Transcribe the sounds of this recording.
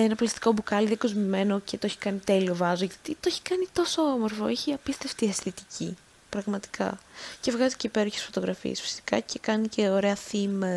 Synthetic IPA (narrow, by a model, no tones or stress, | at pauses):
enɐplɐst̪i̥ko̞bukɐliðiɐkozmime̞no̞ce̞t̪oeçi̥kɐnit̪e̞lio̞vɐzoʝɐt̪it̪oeçi̥kɐnit̪o̞so̞omo̞ɾfo̞̰eçiɐpist̪eft̪iɐst̪it̪icʰḭ | pɾɐɣmɐt̪i̥kʰɐ̰ce̞vɣɐziceipe̞ɾoçesfo̞t̪o̞ɣɾɐfḭḛsfi̥si̥kɐcekɐnice̞o̞ɾe̞ɐθimɐ